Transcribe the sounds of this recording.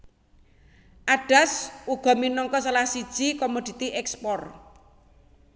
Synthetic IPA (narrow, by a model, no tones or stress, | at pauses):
ʔaɖ̥a̤suɡ̥ɔ̤minɔŋkɔsalahsid̥ʒ̥ikɔmod̪̥i̤t̪iʔɛkspɔr